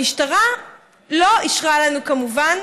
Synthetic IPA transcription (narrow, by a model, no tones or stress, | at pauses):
iʃtaʁa | lo̞iʃʁalanukamuvan